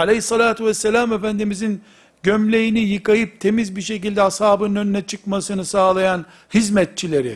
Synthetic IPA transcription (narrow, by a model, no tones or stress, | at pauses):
alʲeɦisːɑlʲaːt̪ʰuvɛsːelʲamefænd̪imizin | ɟømlʲe̞jinijɯkajɯp̚t̪ʰe̞mizbiɾʃe̞cilʲd̪ɛhashaːbɯnnøninɛt͡ʃʰɯkmasɯnɯsaːlˠajan | hizmɛt̪̚t͡ʃʰilʲeɾḭ